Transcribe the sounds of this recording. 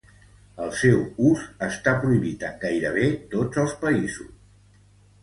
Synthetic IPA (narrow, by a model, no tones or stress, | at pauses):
əlˠsewuzəst̪apɾuiβit̪əɡajɾəβet̪od͡zəlˠspəizṵs